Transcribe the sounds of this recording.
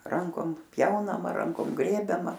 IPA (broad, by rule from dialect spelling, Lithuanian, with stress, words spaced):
ˈrɐŋkoːm ˈpʲjɛʊnɐmɐ ˈrɐŋkoːm ˈɡrʲeːbʲɛmɐ